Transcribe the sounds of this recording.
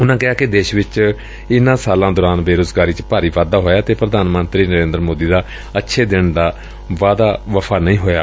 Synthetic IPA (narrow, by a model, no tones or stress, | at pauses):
ʊnãːkɪɦaːkɪd̪eːʃʋɪt͡ʃ | ɪnãːsaːlãːd̪ɔːɾaːnbeːɾoːzɡaːɾiːt͡ʃpaːɾiːʋaːd̪aːɦoːjaːt̪eːpɾəd̪ʱaːnmənt̪ɾiːnəɾẽːnd̪əɾmoːd̪iːd̪aː | ətːʃʰeːd̪ɪɳd̪aː | ʋaːd̪aːʋəpʰaːnəĩːɦoːja̰ː